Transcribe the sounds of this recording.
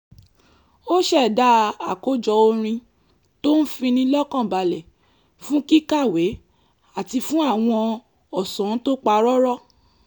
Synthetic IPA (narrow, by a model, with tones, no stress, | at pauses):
o˦ʃɛ˦˨da˦a˨ko˦d͡ʒɔ˧o˧ɾ̃ĩ˧ | to˦n̩˦fĩ˧nĩ˧lɔ˦kã˦˨ba˧lɛ˨ | fũ˦ki˦ka˦˨we˨˦ | a˦˨ti˧fũ˦a˦˨w̃ɔ̃˧ | ɔ˨sɔ̃˨˦to˦k͡pa˧ɾɔ˦ɾɔ˦˨